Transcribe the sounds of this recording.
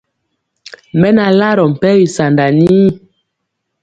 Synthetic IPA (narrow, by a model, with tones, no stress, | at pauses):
mɛ˦na˨la˦ɾɔ˨m̩˨pɛ˦wi˨sa˨nda˨ni˦˨